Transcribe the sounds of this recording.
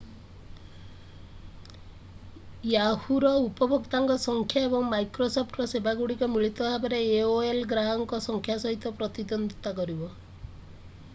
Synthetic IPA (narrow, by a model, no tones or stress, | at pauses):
jahuɾɔupɔbʱɔkt̪aŋkɔsɔŋkʰjaebɔŋmajkɾosopʰʈɾɔsebaɡuɽikɔmiɭit̪ɔbʱabeɾeeoelɡɾaɦɔŋkɔsɔŋkʰjasɔɦit̪ɔpɾɔt̪id̪ɔnd̪t̪akɔɾibɔ